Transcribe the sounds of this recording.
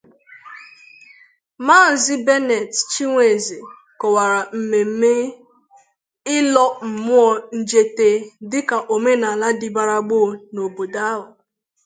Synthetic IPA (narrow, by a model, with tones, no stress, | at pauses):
ma˦˨n̩˨zɪ˦be˦ne˨tt͡ʃi˦ŋʷe˨ze˨ | kɔ˨wa˨ɾa˨m̩˨me˨m̩˦me˦ | ɪ˦lɔ˦m̩˨mʊ˦ɔ˦n̩˦d͡ʒe˦te˦dɪ˦ka˨ʔo˨me˦na˨la˦dɪ˨ba˨ɾa˨ɡ͡bo˦no˨bo˨da˦ɦʊ˨